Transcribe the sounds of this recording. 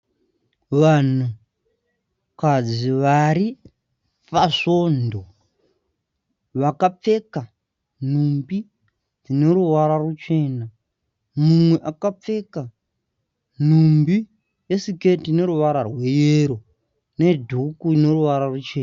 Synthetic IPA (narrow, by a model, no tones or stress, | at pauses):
ʋan̤u | kad͡ziʋaɾi | paʂo̞ːndo | ʋakap͡fe̞ka | n̤umbi | d͡zine̞ɾuwaɾarut͡ʃe̞ːna | mumwe̞ʔakap͡fe̞ka | n̤umbi | jesike̞tine̞ɾuʋaɾarwe̞jeɾo | ne̞dʱukuine̞ruʋaɾarut͡ʃe̞ːna